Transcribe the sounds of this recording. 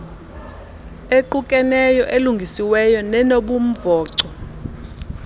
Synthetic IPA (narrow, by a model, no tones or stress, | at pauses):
eǃukʼɛnɛjɔʔeluŋɡʱisiwɛjɔnɛnoɓum̩vɔːǀɔ